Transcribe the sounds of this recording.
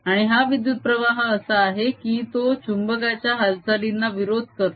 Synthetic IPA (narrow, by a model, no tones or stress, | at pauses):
aɽ̃iɦaʋid̪jut̪̚pɾəʋaɦəəsəaɦekiːt̪ot͡ɕumbəɡat͡ɕjaɦalt͡salinːaʋiɾod̪ʱkəɾ